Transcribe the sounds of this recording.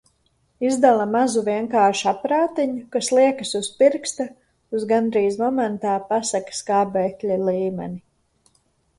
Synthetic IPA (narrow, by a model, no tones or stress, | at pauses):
izd̪alˠamazuviɛŋkaːɾʃapɾaːt̪iɲukaslˠiɛkasuspiɾkst̪a | uzɡand̪ɾiːzmɔmɛnt̪aːpasakskaːbɛːklʲaliːmɛ̰ni